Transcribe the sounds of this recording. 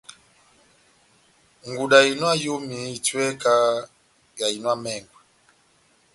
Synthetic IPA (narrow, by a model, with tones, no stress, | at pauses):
ŋɡu˨ɗa˨i˨nwa˦jo˦mi˨twɛ˦ka˦ | ja˨i˨nwa˦mɛ˦˨ŋɡwɛ˨